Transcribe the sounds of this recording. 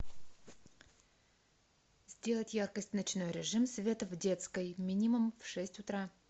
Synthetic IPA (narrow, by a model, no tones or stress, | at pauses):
zʲdʲe̞lˠətʲjarkəsʲtʲnɐt͡ɕno̞jɾʲɪʐɨmsvʲe̞t̪əvdʲe̞t̪skəjmʲinʲɪmʊmfʂɛsʲtʲʊt̪ɾa